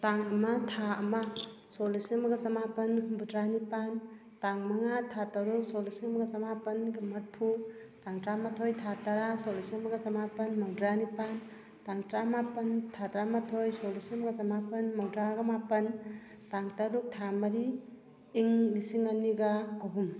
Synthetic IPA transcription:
taŋɐmɐtʰaɐmɐ | solisimɐɡɐsɐmapɐnbudɾanipan | taŋmɐŋatʰatɐɾuk̚solisiŋmɐɡɐsɐmapɐnɡimɐt̚pʰutaŋtɾamatʰojtʰataɾasolisimɐɡɐsɐmapɐnmawdɾanipan | taŋtɾamapɐntʰatɾamatʰojsolisimɐɡɐsɐmapɐnmawdɾaɡɐmapɐn | taŋtɐɾuk̚tʰamɐɾiː | ŋlisiŋɐniɡaɐɦum

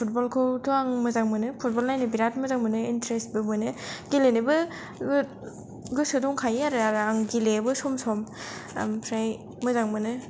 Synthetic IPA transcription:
pʰut̚bɔlkʰɯwtʰuaŋmɯzaŋmɯnɯpʰut̚bɔlnajnɯbiɾat̚mɯzaŋmɯnɯintɾest̚bɯmɯnɯɡilenɯbɯ | ɡɯ | ɡɯsɯdɔŋkʰajaɾɯaɾaŋɡilebɯsɔmsɔm̰ | mpʰɾaj | mɯzaŋmɯnɯ

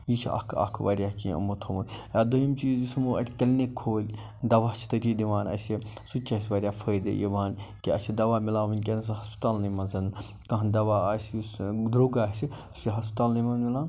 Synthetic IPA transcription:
jit͡ʃʰiɐ̰kʰɐ̰kʰʋɐɾʲjakiɐ̰mot̪ʰɐmujad̪ojimt͡ʃiːzismuɐ̰ʈʲʰkʲɐlʲnekʰːoːlʲ | d̪ɐʋaːt͡ʃʰt̪ɐt̪id̪iʋaːnɐ̰sisut͡ʃʰɐsʲʋɐɾʲjaːfʰəːd̪ḭjiʋaːnkiɐsʲʰid̪ɐʋaːmilãːʋɐnʲkʲens̬ɦɐspi̥t̪aːlnɐmɐnsɐn | kɐɦnd̪ɐʋaːɐssd̪ɾoːɡaːsi | su̥siɦɐspt̪aːlnimɐnmilaːn

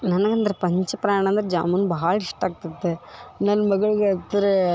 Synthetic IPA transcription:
nɐnɐɡɐnd̪ɐɾepɐɲt͡ʃɐpɾaːɳ̃ɐnd̪ɐɾed͡ʒa̰ːmɐnːubɐɦɐɭɐiʂʈaːɡ̚t̪ud̪ːenɐnːɐmɐɡɐɭiɡeɐt̪ːɾe

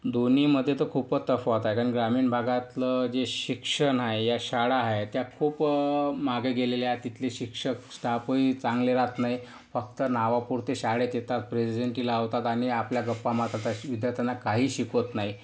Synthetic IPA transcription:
d̪oniməd̪ʱːjet̪əkʰuːpət̪əfʋat̪aekaɾnɡɾamiːnbʱaɡat̪ləd͡ʑeɕikʂəɳɦaejaɕaɽaɦaet̪jakʰuːpmaɡeɡeleljat̪it̪ʰleɕikʂəksʈ̪apəit͡saŋɡleɾat̪naj | fək̚t̪ənaʋapuɾt̪eɕaɽet̪jet̪at̪̚pɾesid͡ʑeɳʈilaəʋt̪at̪aɽ̃iapljaɡəpːamat̪ɾat̪aʋid̪jaɾt̪ʰanakaɦiːɕikot̪naɦi

